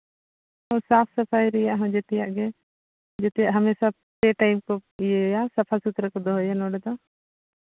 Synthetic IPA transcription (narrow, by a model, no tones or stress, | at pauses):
hɔ̃saːpʰsɐpʰajɾɛjaʔɦɔ̃d͡ʒet̪ɛjaʔɡɛ | d͡ʒet̪ɛjaʔɦɐmeːsa | t̪eʈajmkɔijejasɐpʰasut̪ɾəkɔd̪ɔɦjanɔːɽɛd̪ɔ